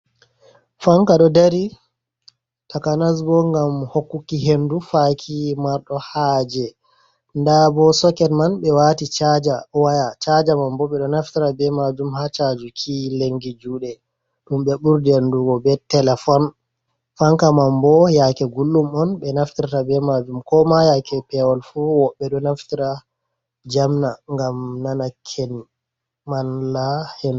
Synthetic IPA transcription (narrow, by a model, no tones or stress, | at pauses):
faŋkaɗɔdaɾi | takanas̬bɔŋɡamhokːukːiɦendufakʰimaɾɗɔhaːd͡ʒɛ | ndabɔsɔkɛnmanɓɛwatit͡ʃad͡ʒawajat͡ʃad͡ʒamambɔɓɛɗɔnaftiɾabɛmad͡ʒumhat͡ʃad͡ʒukʰileŋɡid͡ʒuːɗɛ | ɗumɓɛɓuɾdɛnduɡɔbɛtɛlɛfɔn | faŋkamambɔjakɛɡulːumɔnɓɛnaftiɾatabɛmad͡ʒumkɔmajakʰɛpɛwɔlfuwɔɓːɛɗɔnaftiɾa | d͡ʒamnaŋɡamnanakʰːɛn | manlahɛn